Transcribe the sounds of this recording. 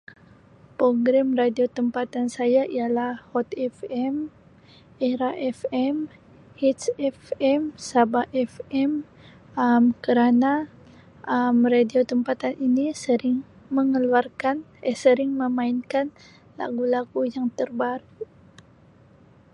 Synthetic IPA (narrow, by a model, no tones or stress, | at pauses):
pɾoɡɾamradiot̪əmpat̪ansajaʔijalahhɔt̪ɛfɛm | ɛɾaʔɛfɛm | hit̪sɛfɛmsabaʔɛfɛm | əmkəɾana | ʔəmradiot̪əmpat̪anʔinisəɾɪŋ | məŋəluarkan | əsəɾɪŋməmainkan | la̰ɡulaɡujaŋt̪ərbaɾuʔ